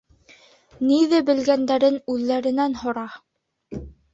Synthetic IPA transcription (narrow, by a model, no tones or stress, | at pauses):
niðɘbɘ̆lɡænd̪æɾɘnʉðːæɾɘ̆nænhŏɾɑ